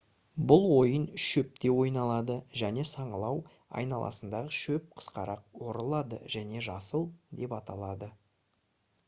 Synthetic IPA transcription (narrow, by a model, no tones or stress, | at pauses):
bʊlˠwo̞jənʃɵp̚t̪e̞wo̞jnɑlˠɑd̪əʒæne̞sɑɴəlˠɑw | ɑ̰jnɑlˠʔɑ̰sənd̪ɑʁəʃɵp̚qʰə̥sqɑɾɑq̚wo̞ɾəlˠɑd̪ə̰ʒ̥æne̞ʒɑsəlˠd̪e̞pɑt̪ɑlˠɑd̪ə